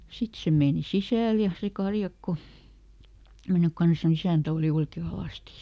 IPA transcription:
sit se meːni sisæˑl jɑ se kɑrjɑkːo menːyk kɑns ni isæˑntæ oˑli oike ɑlɑˑsti

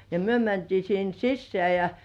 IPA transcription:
jɑ myø mæntiː sin sisːeæˑ jɑ

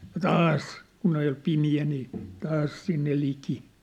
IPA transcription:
jɑ tɑːs kun oj jo pimiæ niː tɑːs sinːe liki

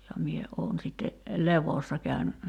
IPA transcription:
jɑ mie oːn sitːe leʋosːɑ kæyn

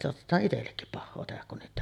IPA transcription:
soɑtetˑɑːʔ ʔitelːekːip pɑhːoː tehæk kun niːtˑ

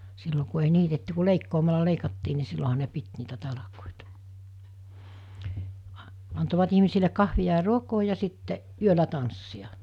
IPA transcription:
silːo ku ei niːtetːy ku leikːoːmɑlɑ leikɑtːiː ni silːoɦɑ ne pit niːtæ tɑlɑkoˑiˑtɑ ɑ ɑntoʋɑt ihmisile kɑhʋiɑ jɑ ruokoː jɑ sitːe yølæ tɑnsːiɑ

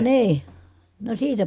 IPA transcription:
niː no siːtæ

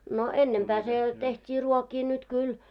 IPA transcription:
no enːempæː se tehtʲiː ruokiː nyt kyl

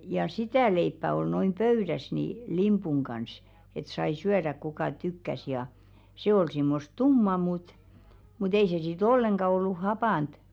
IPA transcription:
jɑ sitæˑ leipːæ ol noim pøyɾæs ni limpuŋ kɑns et sɑi syæɾæk̆ kukɑˑ tykːæs jɑ se ol simːost tumːɑ mut mut ei se sit olːeŋɡ̊ɑ olːu hɑpɑˑnt

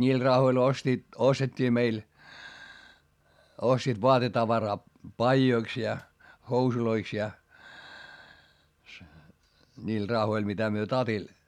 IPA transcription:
nʲiːl rɑhoil ostiːt ostetʲːiː meil ostiːt ʋoɑtetɑʋɑrɑː pɑijoiks jɑ housuloiks jɑ niːl rɑhoil mitæ myø tɑtil

